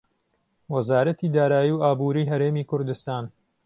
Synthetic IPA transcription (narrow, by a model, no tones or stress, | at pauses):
wɐzaːɾɐt̪iːd̪aːɾaːjiwaːbuːɾiːɦɐɾeːmiːkʊɾd̪ust̪aːn